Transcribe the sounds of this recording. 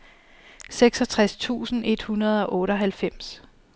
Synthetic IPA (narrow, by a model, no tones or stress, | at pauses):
seɡ̥sɒ̽t͡sʰʁast͡sʰṵːsn̩e̝d̥hunɐð̞̩ˠɒ̽ʔɔ̽ːɾɒ̽ɦælfem̰s